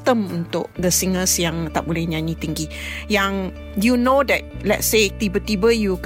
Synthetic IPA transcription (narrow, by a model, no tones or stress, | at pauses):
t̪əmunt̪ʊʔ̚d̪əsiŋəsjãŋt̪aʔ̚bolɛhɲãnit̪iŋɡi | jaŋ | junodɛt̚lɛ̰t̚set̪ibət̪ibəjuk